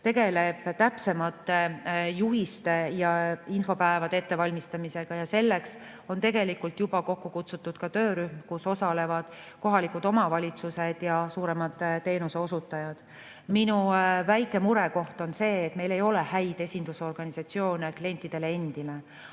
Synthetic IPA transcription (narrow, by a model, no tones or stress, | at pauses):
t̪e̞ɡ̥e̞le̞b̥t̪æpse̞mɑt̪ːejuɦist̪e̞jɑinfo̞pæevɑd̪̥ee̞t̪ːe̞vɑlʲmist̪ɑmise̞ɡ̥ɑjɑse̞lːe̞ks | o̞nt̪e̞ɡ̥e̞likːult̪jub̥ɑko̞kːukut̪sut̪ːˑud̪̥kɑt̪ø̞ːɾyhmkuso̞sɑle̞vɑd̪̥ | ko̞ɦɑlikud̪o̞mɑvɑlʲit̪suse̞d̪̥jɑsuːɾe̞mɑd̪̥t̪ːe̞ːnuseo̞sut̪ːˑɑjɑd̪̥ | minuvæjkːˑe̞muɾeko̞ht̪o̞nse̞ːt̪me̞jle̞jo̞le̞hæjd̪̥e̞sʲind̪̥uso̞rɡ̥ɑnisɑt̪sio̞ːneklie̞nʲt̪ːˑid̪̥e̞lee̞nd̪̥ile